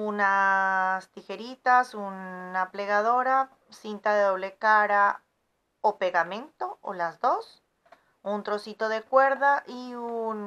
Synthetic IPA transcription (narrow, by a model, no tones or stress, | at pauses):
unast̪ixe̞ɾit̪asunːaple̞ɣað̞o̞ɾa | sint̪aðe̞ðo̞βle̞kaɾa | ope̞ɣamẽ̞nt̪o̞o̰lazðo̞s | unt̪ɾo̞sit̪o̞ðe̞kwe̞ɾðaʔiuun